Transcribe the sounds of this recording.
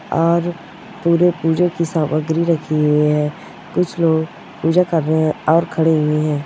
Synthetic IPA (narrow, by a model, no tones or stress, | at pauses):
ɔːɾ | puːɾepuːd͡ʒõkisaːməɡɾiɾɐkʰiʊeɦɛ̃ː | kʊt͡ʃʰloːɡ | puːd͡ʒakəɾːəɦɛ̃ɔːɾkʰɐɽeɦʊeɦɛ̃ː